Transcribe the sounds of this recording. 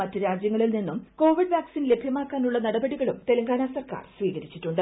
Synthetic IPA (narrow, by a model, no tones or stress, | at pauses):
ɐtːɨɾaːd͡ʑjɐŋːɐɭilninːumko̞ːʋiɖʋaːksiːnle̞bʱjɐmaːkːaːnuɭːɐnɐɽɐbɐɽiɣɐɭumt̪e̞lɐŋɡaːnasɐrka̰ːrsʋiːɣɐɾit͡ɕːitːuɳɖɨ